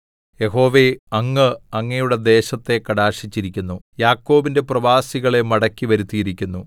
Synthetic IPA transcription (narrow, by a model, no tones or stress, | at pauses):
je̞ɦo̞ːʋe̞ɐŋːɨɐŋːɐjuɽe̞d̪e̞ːɕɐt̪ːe̞kɐɽaːʂit͡ɕːiɾikʲːunːujaːkːo̞ːbinde̞prɐʋaːsiɣɐɭe̞mɐɽɐkʲːiʋɐɾut̪ːiɾikʲːunːu